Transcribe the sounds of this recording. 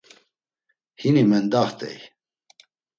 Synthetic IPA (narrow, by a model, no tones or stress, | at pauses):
hinimɛnd̪aχt̪ɛ̰j